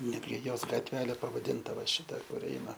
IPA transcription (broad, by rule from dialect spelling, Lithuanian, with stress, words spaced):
ˈnʲæːdʲɡʲɪ ˈjoːs ɡɐtʲˈʋʲæːlʲeː pɐʋɐˈdʲɪntɐ ʋɐ ˈʃʲɪtɐ kʊr ˈɛɪnɐ